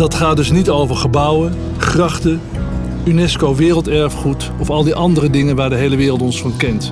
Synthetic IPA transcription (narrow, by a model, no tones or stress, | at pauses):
d̥ɑtχaːt̚dɵsnitowvəɹχəbʌwə | χrɑχtə | ynɛskowʋɪːrəlˠtɛɹfχut | ɔfɑlˠdiʔɑndərədɪŋənʋaːɹdəɦejləʋɪːrlˠtɔnsfɑnkɛnt